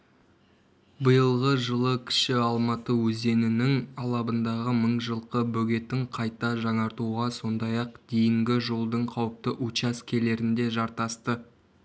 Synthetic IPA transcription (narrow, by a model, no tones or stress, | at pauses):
bəjəlˠʁəʒəlˠəkʲʰɪ̥ʃɪɑlˠmɑt̪əwɵze̞nɪnɪŋʰɑlˠɑbənd̪ɑʁəməɴʒəlˠqəbɵɡʲe̞t̪ːɪŋqʰɑjt̪ɑʒɑŋɑɾt̪uʁɑso̞nd̪ɑjɑq̚d̪̥ejɪŋɡʲɪʒo̞lˠd̪əɴqʰɑwəp̚t̪əʔut͡ʃɑskʲʰe̞le̞ɾɪnd̪e̞ʒɑɾt̪ɑst̪ə